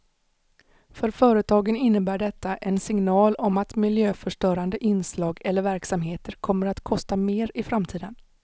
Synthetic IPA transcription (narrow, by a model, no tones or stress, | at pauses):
fœɾfœːɾət̪ʰɑːɡənɪnːəbæːɖɛt̪ːaʔɛnsɪŋnɑːlɔmat̪mɪljøːfœʂʈœːɾand̪əʔɪnslɑːɡɛlːəɾvæɾksamɦeːt̪ʰəɾkʰɔmːəɾat̪kʰɔst̪ameːɾɪfɾamt̪ʰiːd̪ən